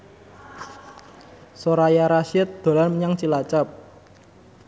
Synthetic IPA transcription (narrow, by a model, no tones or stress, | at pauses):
soɾajaɾaʃɪt̪̚d̪̥o̤lanməɲaŋt͡ʃilat͡ʃap̚